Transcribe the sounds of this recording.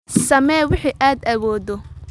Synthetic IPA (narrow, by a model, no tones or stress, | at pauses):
sɐmɛːwɪħiːʔaːd̪ɐwɔːðɔ